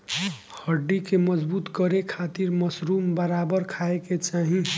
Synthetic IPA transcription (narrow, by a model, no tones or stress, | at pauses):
həɖːikeməd͡ʒbut̪kəɾekʰat̪iɾməsɾuːmbəɾabəɾkʰaeket͡ʃaɦĩ